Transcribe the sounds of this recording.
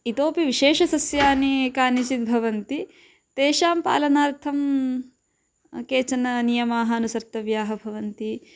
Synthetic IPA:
it̪oːpiʋiʃeːʃɐsɐsjaːnikaːnit͡ʃit̪̚bʱɐʋɐnt̪i | t̪eːʃaːmpa̰ːlɐnaːɾt̪ʰɐm | keːt͡ʃɐnɐnijɐmaːɦɐɐnusɐɾt̪ɐʋjaːɦɐbʱɐʋɐnt̪i

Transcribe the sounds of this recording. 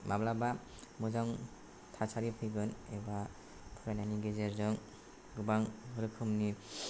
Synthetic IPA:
mablaba | mɯzaŋ | tʰasʰaɾipʰɯjɡɯneba | pʰuɾananiɡezeɾzɯŋ | ɡɯbaŋɾɯkʰɯmni

